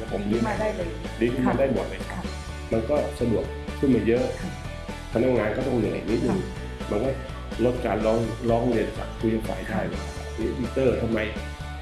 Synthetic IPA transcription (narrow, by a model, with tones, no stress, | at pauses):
a˧˩pʰo˨˦m˧iː˧˥a˨˧˩a˧˩ | diː˧kʰɯ˥˩ma˧ndaː˥˩jmɔ̰˨˩t̪̚na˧˩kʰa˦˥˩ | ma˧nkɔː˥˩sa˧du˨˩ək̚ʰːɯ˥˩nmaː˧˦jɤ˦˥ʔ | pʰa˧na˦˥k̚ŋaː˧nkɔː˥˩t̪ɔ˥˩ŋja˧˩ŋa̰˨˩ni˦˥t̪̚nɯ˧ŋ | ma˧nkɔː˥˩ | lo˦˥t̪̚kaː˧nlɔː˦˥ŋlɔː˦˥ŋɾi˧ənt͡ɕa̰ː˨˩k̚kʰu˧jha˧˩kʰa̰ː˨˩˦jdaː˥˩jma̰˨˩a˨˧˩ni˦˥wi˧˥t̪ːɤː˥˩t̪ʰa˧ma˧j